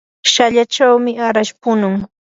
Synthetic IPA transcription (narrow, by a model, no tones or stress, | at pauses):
ʃaʎat͡ʃawmɪaɾaʃpʊnʊŋ